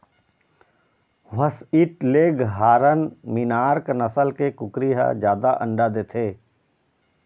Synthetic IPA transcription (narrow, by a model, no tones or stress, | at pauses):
ʋəsiʈleːɡɦaːɾənmɪnaːɾknɐsəlkekʊkɾiɦa̰d͡ʒjaːd̪aʔə̰̃ɳɖad̪eːt̪ʰeː